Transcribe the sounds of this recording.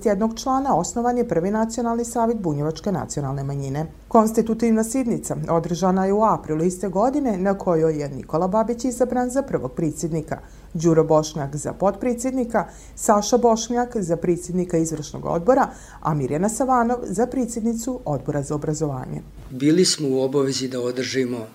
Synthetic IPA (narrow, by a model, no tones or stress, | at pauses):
t̪jed̪no̞ɡt͡ʃlˠaːnao̞sno̞ʋanjepr̩ʋinat̪sio̞nalˠnisaːʋjet̪̚buɲeʋat͡ʃke̞na̰t̪sio̞nalˠne̞maɲine̞ | ko̞nst̪it̪ut̪iʋnasid̪nit̪sao̞d̪r̩ʒanajeuapɾilˠuist̪eɡo̞d̪ine̞nakʰo̞jojenḭko̞lˠababit͡ɕizabɾanzapr̩ʋo̞̰ɡ̚pɾet̪sje̞d̪nika̰ | d͡ʑuɾobo̞ʃɲakza̰po̞t̪pɾeːt̪sjed̪nika | saʃabo̞ʃɲakzapɾeːt̪sjed̪nikaizʋr̩ʃno̰ɡo̰d̪̚bo̞ɾa | a̰miɾjanasaʋaːno̞ʋzapɾet̪sje̞d̪nit̪suʔo̞d̪̚bo̞ɾazaobɾazo̞ʋa̰ːɲḛ | biːlismouobaʋezid̪aod̪r̩ʒimo